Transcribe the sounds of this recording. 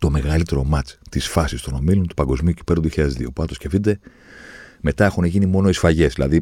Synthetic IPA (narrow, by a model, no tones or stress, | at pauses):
t̪o̞meɣɐlit̪e̞ɾo̞mɐt͡st̪isfɐsist̪o̞no̞milont̪u̥pɐŋɡo̞zmiuci̥peɾonioçiʎɐðezðio̞puɐt̪osce̞find̪e̞ | me̞t̪ɐe̞xuneʝinimo̞no̞isfɐʝe̞zðilɐði